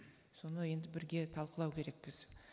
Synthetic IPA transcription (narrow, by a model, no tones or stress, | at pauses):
so̞nəje̞nd̪ɪbɪɾɡʲe̞t̪ʰɑlˠqəlˠɑwkʲʰe̞ɾe̞k̚bɪz̥